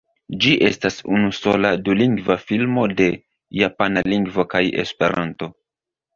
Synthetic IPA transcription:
d͡ʒiʔe̞stasunuso̞laduliŋɡvafilmo̞de̞ | japanaliŋɡvo̞kaje̞̰spe̞̰ɾʔa̰nto̞

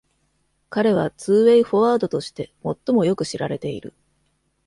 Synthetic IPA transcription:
kaɾe̞β̞at͡sɨːβe̞iɸo̞βaːd̪o̞t̪o̞ɕi̥t̪e̞mo̞t̪ːo̞mo̞jo̞kɯ̟ɕiɾaɾe̞t̪e̞ḭɾɯ̟̰

